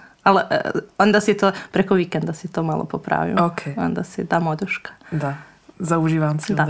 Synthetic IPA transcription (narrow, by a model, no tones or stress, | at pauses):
al̰ond̪asit̪oːpɾekoʋikend̪asit̪oːma̰lˠo̰popɾa̰ːʋḭokʰeo̰nd̪a̰sḭd̪aːmod̪ɾuʃkḁd̪a | zauʒiːʋamsd̪a